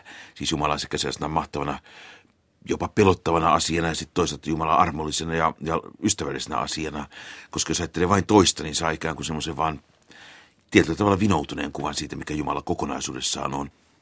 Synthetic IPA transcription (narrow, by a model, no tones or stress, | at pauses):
siːsjumɑlɑ̰nse̥kːæsesenæmɑht̪ɑʋɑnɑ | jopɑpelot̪ːɑʋɑnɑɑsiɑnɑjɑsit̪t̪oˑiset̪ːjumɑlɑ̰ɑrmolːisenɑjɑjɑyst̪æʋælːisenæ̰ɑ̰siɑnɑkoskɑjosɑit̪ːeleʋɑint̪oist̪ɑninsɑːikæːŋkusemːoseʋʋɑːn | t̪iet̪ylːæt̪ɑʋɑlːɑʋinout̪unḛːŋkuʋɑnsiːt̪æmikæjumɑlɑkokonɑ̰isuːdessɑ̰ːnon